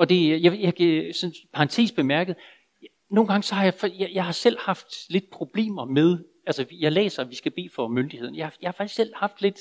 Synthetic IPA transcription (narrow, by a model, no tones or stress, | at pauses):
ɒ̽d̥e̝jajɑkʰæsɒ̽npʰɑ̈ɑnt͡sʰe̝̰ːsb̥e̝mæɐɡ̥əð̩ˠ | no̝ːnɡ̥ɑ̈ŋəsɒ̽hɑ̈jɑɪfjajɑ̈ɪhɑ̈sel̰hɑ̈fd̥le̝d̥̚pʰʁo̝b̥le̝̰ːmɐmeð̞ˠ | ælsəjɑ̈ɪlḛːsɐʋisɡ̥æb̥e̝̰ːfɒ̽mønd̥iheð̰ˠnjɑhjɑhɑ̈fɑ̈ɡ̥isel̰hɑ̈fd̥le̝d̥